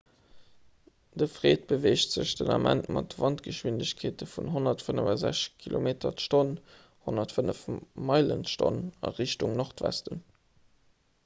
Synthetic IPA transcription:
d̥əfʁeːt̚b̥əveːʃtz̥əɕd̥ənɑmʔæntmɑtvɑntɡ̥əʃwindəɕkʰeːtəfunɦonɐtfənəvɑzæʃkʰilʔo̰meːtʰɐtʃton | honɐtfənəfmɑɪlənʃto̰nɑ̰ʁiɕtuŋnoχtvæ̰stən

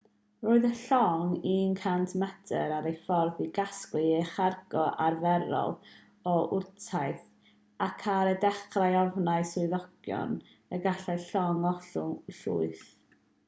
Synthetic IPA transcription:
roːɨðəɬɔŋinkʰantʰmadəɾaɾejfɔrðiɡasklɨeχarɡ̥ɔʔarvɛɾɔ̰lˠ | ɔʔʊrtʰaɨθ | akʰaɾədɛχrajɔvnaɨsʊɨðɔɡ̥jɔ̰n | əɡaɬaɨɬɔŋɔɬʊŋɬṵɨθ

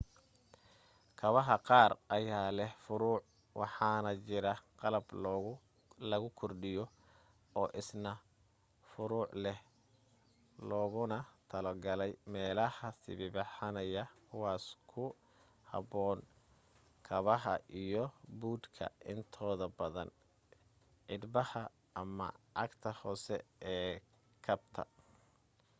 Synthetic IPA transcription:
kʰɐβɐɦɐqɑːrʔɐjaːlɛhfʊɾuːʕ | wʔɑ̰ħɑːnɐt͡ʃɪɾɐqɑlɐb | lɐɣʊkʰɔrɖɪjɔ | ɔːʔɪsnɐ | fʊɾuːʕlɛh | lɔːɣʊnɐt̪ʰɐlɐɡɐlɛjmɛːlɐhɐsɪ̰βɪbɑħɑnɐjɐkʰʊwaːskʰʊ | hɑ̰βɔːn | kʰɐβɐɦɐ̰ʔijɔbuːd̪kʰɐ̰ʔɪnt̪ʰɔːðɐbɐðɐ̰n | ʕɪd̪bɐhɐ | ɐmɐ̰ʔɑɡt̪ʰɐhɔːsɛ̰ɛː | kʰɐbt̪ʰɐ̰

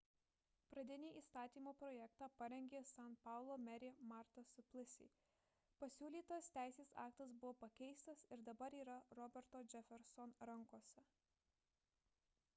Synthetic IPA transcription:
pɾɐd̪ʲɛnʲiːiːst̪ɑːt̪ʲiːmoːpɾɔːjɛkt̪ɑpɐɾʲɛŋʲɡʲeːsɑnpɑˑʊlˠoːmʲɛɾʲɪmɑɾt̪ɐsʊpʲlʲˠɪsʲḭ | pɐsʲuːlʲiːt̪ost̪ʲæɪsʲeːsɑ̰ːkt̪ɐsbʊʋoːpɐkʲɛɪst̪ɐsɪɾd̪ɐbɐɾiːɾɐɾɔbʲɛɾt̪oːd͡ʒʲɛfʲɛɾsɔnɾɐŋkoɔsʲɛ

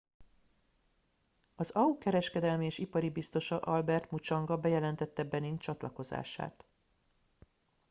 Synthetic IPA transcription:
ɒzɒukɛɾɛʃkɛd̪ɛlmieːʃipɒɾibist̪o̞ʃɒʔɒlbɛrt̪mut͡ʃɒŋɡɒbɛjɛlɛnt̪ɛt̪ːɛbɛnint͡ʃɒt̪lɒko̞za̰ːʃa̰ːt̪

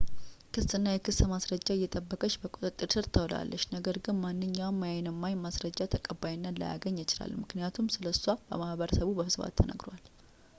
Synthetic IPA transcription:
kʰɨsɨnːajɛkʰɨsəmasɾəd͡ʒːaɪjːɛt̪ʼəbːəkʼəʃbəkʼot̪ʼɨt̪ʼːɨɾsɨɾt̪ʰəwla̰lːəʃnəɡəɾɡɨnmanːɨɲːawmːajajnɨmːajmasɾəd͡ʒːat̪ʰəkʼəbajɪnːalə̰ja̰ɡəɲːat͡ʃɪla̰lːmɨknijat̪ʰumsɨləsːwab̥ə̰mahβəɾəsəβubəfɨsβa̰t̪ʰːənʔə̰ɡɾowal

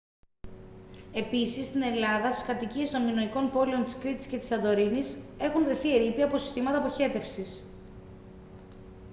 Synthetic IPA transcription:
e̞pisist̪ine̞lɐðɐst̪i̥skɐt̪icie̞st̪o̞nmino̞iko̞npo̞lio̞nt̪iskɾit̪i̥sce̞t̪i̥sɐnd̪o̞ɾinise̞xunvɾe̞θieɾipiɐpo̞si̥st̪imɐt̪ɐpo̞çe̞t̪e̞fsis

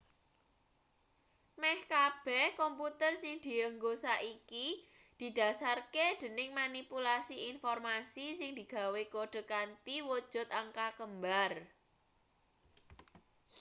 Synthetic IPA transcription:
mɛhkab̥ɛhkɔmput̪ərsɪŋd̪̥i̤əŋɡosaʔiki | d̪̥i̤d̪̥a̤sarked̪̥ə̤nɪŋmanipulasiinfɔrmasisɪŋd̪̥i̤ɡ̥ä̤wekoɖ̪̥ə̤kant̪iwod̥ʒ̥ʊ̤t̪̚aŋkakəmbar

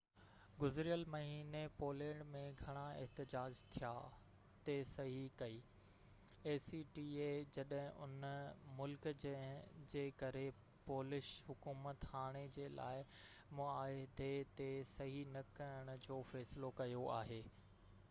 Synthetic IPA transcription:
ɡʊzɾijəlmɐɦiːnepoːlẽːɽɖmẽɡʱɐɽ̃aɪ̰ɦt̪ɪd͡ʑaːd͡ʑt̪ʰija | t̪esɐɦikɐiː | eːsiʈiːed͡ʑɐɗɦɪ̃ʔʊ̰nmʊlkd͡ʑeɦd͡ʑeːkɐɾe | poːlɪʃɦʊkuːmət̪haːɽ̃ed͡ʑeːla̰ːɪ | mʊaːed̪ʱet̪esɐɦinɐkɐjəɽ̃ʊ̆d͡ʑoːfɛːsɪlokɐjoa̰ːɦeː

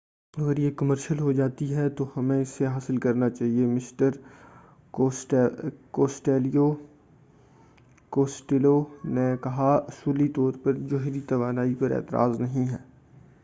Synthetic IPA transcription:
ɐɡəɾjekɐməɾʃəlɦod͡ʒaːt̪iɦɛt̪ohɐmẽɪsːeɦaːsɪlkɐɾnat͡ʃaːɦiemɪsʈəɾ | ʈkoːsʈeːlijo | koːsʈelonekɐɦaʊsuːlit̪ɔːɾpɐɾd͡ʒʊɦɾit̪ɐʋaːnaːipɐɾʔɛ̰ːt̪ɪɾʔa̰ːznɐɦĩɦɛː

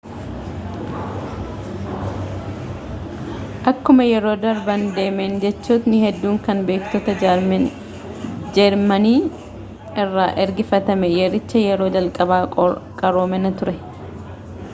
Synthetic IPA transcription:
ʔɐkːʊmɐjɛɾo̞ːd̪ɐɾbɐnd̪e̞ːmend͡ʒɛt͡ʃːuːt̪nɪhɛd̪ːuːŋkɐnbeːkt̪oːt̪ɐ | d͡ʒɛɾmɐniː | ɪrːaːʔɛɾɡɪfɐt̪ɐmɛjɛɾɪt͡ʃːɐjɛɾo̞ːd͡ʒɐlkʼɐbaːkʼɐɾoːmɛnɐt̪ʊɾɛ

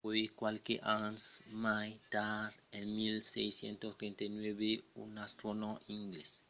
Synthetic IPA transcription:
ojkwalkeʔãnsmajt̪aɾenmilsejsjḛ̃nt̪ot̪ɾẽnt̪ajnwebeṵnast̪ɾonoĩŋɡles

